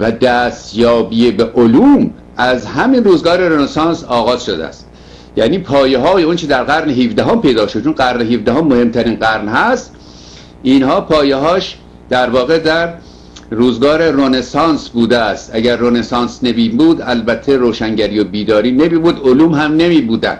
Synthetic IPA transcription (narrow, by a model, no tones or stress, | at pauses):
væd̪æːst̪jɒːbiːebeʔoluːm | æzhæminruːzɡɒːɾe̞ɾonesɑːnsɒːɣɒːzʃod̪ḛæ̰st̪ | jæ̰ːniːpʰɒːjeɦɒːjeont͡ʃʰed̪æɾɣæɾneɦifd̪æɦompʰe̞jd̪ɒːʃod̪t͡ʃʰonɢæɾneɦifd̪æɦomːohe̞mt̪ʰæɾiːnɢæɾnhæst̪ | ʔiːnhɒːpʰɒːjeɦɒːʃ | d̪̥æɾvɒːɣe̞d̪æɾː | uːzɡɒːɾe̞ronesɑːnsbuːd̪eæst̪ʔæɟæɾːonesɑːnsnebiːmbuːd̪ælbæt̪ʰːeɾoːʃæŋɟæɾijobiːd̪ɒːɾiːnemiːbuːd̪oluːmhæmne̞miːbuːd̪æ̰nd̪̥